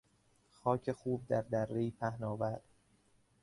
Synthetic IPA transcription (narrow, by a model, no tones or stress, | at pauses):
xɒːcʰe̞xuːb̚d̪æɾd̪ærːeiːpʰæhnɒːvæɾd̪̥